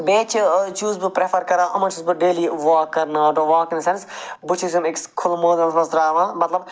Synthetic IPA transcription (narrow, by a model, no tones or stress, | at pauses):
beːt͡ʃʰt͡ʃuːzbɨpɾefʰɐɾkɐɾãːʔɐmɐt͡ʃuːzbɨɖeːliːʋaːkːɐɾnaːʈuʋaːkĩnsɐnsbut͡ʃʰizjumɪkskʰʊlmoːd̪ɐlzmɐsɾaːʋãːmɐt̪lɐb